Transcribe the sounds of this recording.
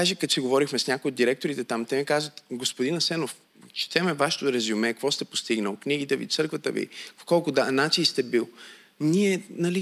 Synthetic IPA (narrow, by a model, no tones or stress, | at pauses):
aʒekət̪t͡ʃɛɡovɔɾixmɛsnʲakojod̪d̪iɾɛk̚t̪oɾit̪ɛt̪amt̪ɛmikazvət̪ɡospod̪inɐsɛnof | t͡ʃt̪ɛmɛvaʃɛ̥t̪ʊɾɛzumɛkvɔst̪ɛpo̥st̪iɡnəlˠkniɡit̪ɛvḭt̪sɤɾkvət̪əvḭpo̥kɔlˠkʊd̪anat͡ʃinst̪ɛbilˠ | niɛnɐli